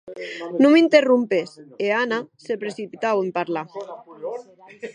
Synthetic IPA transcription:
numint̪erumpeseanasepɾesipit̪awempaɾla

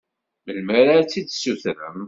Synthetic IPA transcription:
məlməɾat͡sːid̪suθɾə̰m

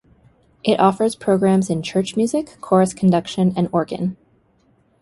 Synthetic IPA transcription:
ʔɪɾʔɔfə˞z̥pʰɹ̥oʊɡɹæ̃mzɨ̃nt͡ʃʰɜ˞t͡ʃmjʉzɨkʰːɔɹɨskʰn̩dʌkʃɨ̃nɨ̃nɔɹɡɨ̰̃n

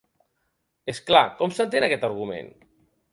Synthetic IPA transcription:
esklakɔmsənt̪̬enakɛt̪əɾɣumḛn

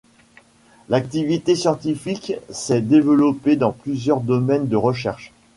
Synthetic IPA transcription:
lak̚t̪ivit̪esjɑ̃t̪ifiksɛd̪evəlɔped̪ɑ̃plyzjœʁd̪ɔmɛnd̪əʁəʃɛʁʃ

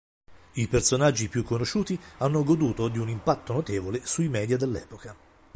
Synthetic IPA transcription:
ipersonad͡ʒːipjukːonoʃuːt̪ianːoɡod̪uːt̪od̪iunimpat̪ːonot̪eːvolesuimɛːd̪jad̪elːɛ̰ːpoka

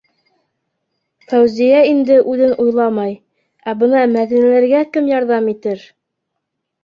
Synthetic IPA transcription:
fæwzijæind̪ɘʔʉðɘnʔujlˠɑmɑj | æbɤnɑmæðinælæɾɡækɘmjɑɾðɑmit̪ɘɾ

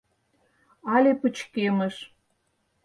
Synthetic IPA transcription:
ɑlʲepə̆t͡ɕkemə̆ʃ

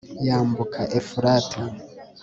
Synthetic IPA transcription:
jaːmbukʰaʔefuɾaːtʰa

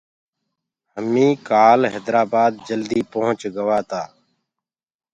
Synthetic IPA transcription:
həmiːkaːlɦɛːd̪ɾaːbaːd̪̚d͡ʒəld̪iːpõɦə̃t͡ʃɡəʋaːt̪aː

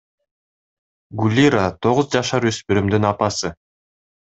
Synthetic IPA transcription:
ɡulʲiɾat̪ʰo̞ʁʊzd͡ʒɑʃɑɾøspyɾymd̪ynɑpɑsɯ

